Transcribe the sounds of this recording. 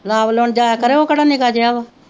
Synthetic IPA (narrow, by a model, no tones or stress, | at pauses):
laːbloːɳd͡ʒaːakəɾeoːkəɽaːnikaːd͡ʒeaːʋaː